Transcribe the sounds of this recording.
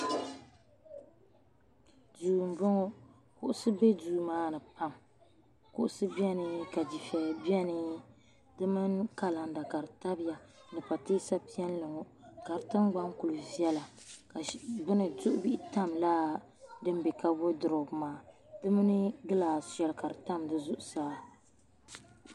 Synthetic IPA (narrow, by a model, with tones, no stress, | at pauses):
duː˨m˨bɔ˦ŋɔ˦ | kʊ˦ʔʊ˦sɨ˦be˦duː˨˦maː˦nɨ˨pa˦m | kʊ˦ʔʊ˦sɨ˦bi˦ɛ˦nɨ˦ka˨di˨fɛ˨bi˦ɛ˦nɨ˦ | dɨ˦mɨ˦nka˦la˨n˨da˨ka˨ɾɨ˨ta˦bɪ˦ja˨nɨ˨pa˨teː˦sa˦pi˦ɛ˦n˦lɨ˨ŋɔ˨ | ka˨ɾɨ˨tɨ˦mɡ͡ba˦ŋku˨lu˨vi˦ɛ˦la˨ | ka˨bɨ˦nɨ˨zʊ˦ʔʊ˦bi˦ʔi˦ta˦˨mla˦ | dɨ˦mbe˨ka˦bo˦dɨ˨ɾɨ˨bmaː˨ | dɨ˦mɨ˦nɨ˦ɡɨ˦laː˨sɛ˨lka˨ɾɨ˨ta˦mdɨ˦zʊ˦ʔʊ˨saː˦˨